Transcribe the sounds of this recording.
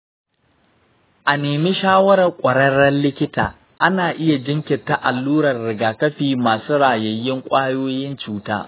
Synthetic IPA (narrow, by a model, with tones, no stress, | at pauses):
ʔa˨neː˨miː˦ʃaː˦wɐ˦ɾɐ˨rkʷʼɐ˨ɽɐ˦ɾɐ˦nlɪ˦kʲɪ˦taː˨ | ʔa˦naː˨ʔɪ˦ja˨d͡ʒɪ˦ŋkʲɪ˨tːa˨ʔa˨lːuː˦ɾɐ˨rːɪ˨ɡaː˨kɐ˦ɸiː˨maː˨suː˦ɽaː˨jɐ˨jːɪ˦ŋkʷʼaː˦joː˦jɪ˦nt͡ʃuː˦ta̰ː˦